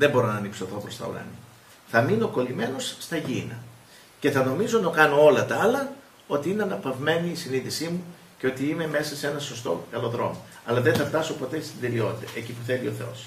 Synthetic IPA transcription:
ðembo̞ɾo̞nɐnipsoθo̞pɾo̞st̪ɐ̰ṵɾɐ̰ni | θɐmino̞ko̞lime̞no̞sːt̪ɐʝinɐ | ce̞θɐno̞mizo̞nokɐno̞o̞lɐt̪ɐɐlɐ | o̞t̪iineɐnɐpɐvme̞niːsiniðisimu | ceo̞t̪iime̞me̞sɐse̞nɐso̞st̪o̞̰kɐloðɾo̞̰mo | ɐlɐðenθɐft̪ɐso̞po̞t̪e̞st̪ind̪e̞lio̞t̪it̪ɐecipuθe̞lio̞θe̞o̞̰s

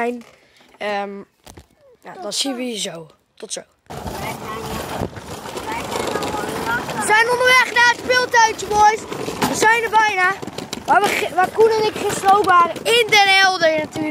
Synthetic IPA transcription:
jn | əm | ja̰dɔnsinʋəhiːɹzow | tɔtsow | ʋəzɛjnɔndəʋɛχnaːətpɪlˠtaɥt͡ʃəmɔjsʋəzɛjnəbɛjnaːʋaːʋəʋaːkunənɪkχəsrowpʋaːrəɪndɛnɛlˠdəjnatyː

